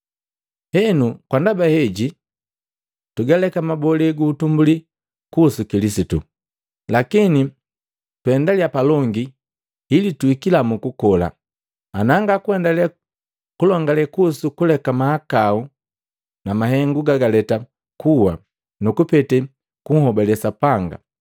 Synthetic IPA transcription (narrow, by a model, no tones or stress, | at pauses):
hɛnukwandabahɛɟi | tuɡalɛkamabɔlɛɡuːtumbuli | kusukilisitu | lakini | twɛndaliapalɔŋɡi | hilituikilamukukɔla̰ | anaŋɡakuɛndala | kulɔŋɡalɛkusukulɛkamahakau | namaɦɛŋɡuɡaɡalɛta | kuwa̰ | nukupɛtɛ | kuŋ̩hɔbɛlɛsapaŋɡa̰